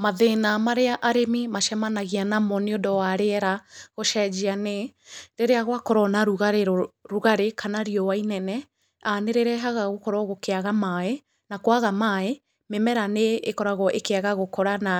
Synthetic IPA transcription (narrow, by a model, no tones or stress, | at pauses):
maðenamaɾeaʔaɾemimaʃɛmanaɣianamɔneodɔwaɾeɛɾaɣoʃɛd͡ʒianeɾeɾeaɣwakɔɾɔnaɾuɣaɾeɾoɾuɣaɾekʰanaɾiɔwainɛnɛ | aneɾeɾɛɦaɣaɣokɔɾɔɣokeaɣamae | nakoaɣamae | memɛɾaneːkɔɾaɣɔʔekeaɣaɣokɔɾana